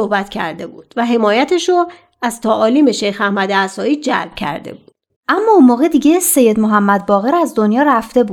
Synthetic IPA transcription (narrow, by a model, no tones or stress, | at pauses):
ohbæt̪ʰcʰæ̰ɾd̪e̞buːd̪̥væɦe̞mɒːjæt̪ʰeʃo | æz̥t̪ʰæʔɒːliːme̞ʃejxæhmæd̪eæsɒːiːd͡ʒæ̰lb̥̚cʰæ̰ɾd̪e̞̰buːd̪̥ | ʔæmːɒːonmoːɣe̞d̪iɟe̞se̞jːe̞d̪moɦæmːæd̪̚bɒːɣe̞ɾæzd̪o̞njɒːræft̪e̞bu̥ː